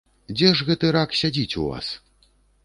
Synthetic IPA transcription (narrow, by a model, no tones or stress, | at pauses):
d͡zʲɛʐɣɛt̪ɨɾaksʲad͡zʲit͡sʲuva̰s